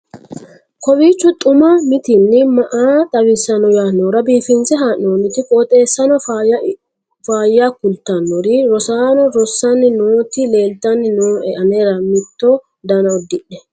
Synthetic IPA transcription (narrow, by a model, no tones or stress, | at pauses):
kʰɔwiːt͡ʃːʊt̪ʼʊmɐmɪt̪ɪnːɪmɐʔaːt̪ʼɐwɪsːɐnɔjaːnːoːɾɐbiːfɪnsɛɦaːnːoːnːɪt̪ɪkʼoːt̪ʼe̞ːsːɐnɔ | faːjːakʊlt̪ːɐnːɔɾɪɾɔsaːnɔɾɔsːɐnːɪnoːt̪ɪle̞ːld̪ɐnːɪnoːʔɛʔɐneːɾɐmɪt̪ːɔ | d̪ɐnɐɔd̪ɪɗɛ